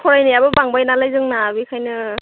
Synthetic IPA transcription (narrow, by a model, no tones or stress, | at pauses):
kʰɔɾajniabɯbaŋbajnalajzɯŋnabikʰajnɯ